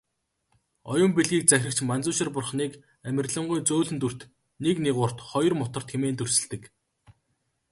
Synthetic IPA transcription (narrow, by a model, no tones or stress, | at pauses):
ɔjʊ̆mpeɮɣiːk̚t͡sæxʲrə̆k̚t͡ɕmant͡sʊːʃɪ̆rpʊrχniːk | æmʲɪ̆rɮə̆ɴɢʊjt͡soːɮɘ̆nt̪ur̥t̪ | nekneʁʊːr̥t̪χɔjɞ̆rmʊt̪ɞ̆r̥t̪xemeːnt̪ɵr̥sɘ̆ɮt̪ɘ̆k